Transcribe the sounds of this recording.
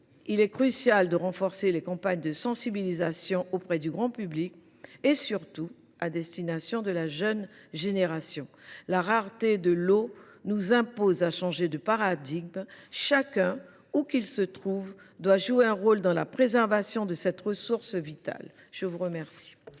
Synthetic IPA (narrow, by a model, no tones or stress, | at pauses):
ilɛkχysjald̪əʁɑ̃fɔʁselekɑ̃paɲd̪əsɑ̃sibilizasjɔ̃ʔopχɛd̪yɡʁɑ̃pyblik | esyʁt̪u | ad̪ɛst̪inasjɔ̃d̪əlaʒœnʒeneʁasjɔ̃laʁaʁt̪ed̪əlonuzɛ̃pozaʃɑ̃ʒed̪əpaʁad̪iɡmʃakɛ̃ | ukilsət̪χuvd̪waʒueɛ̃ʁold̪ɑ̃la̰pχezɛʁvasjɔ̃d̪əsɛt̪ʁəsuʁsvit̪a̰l | ʒ̥əvuʁəmɛʁsi̥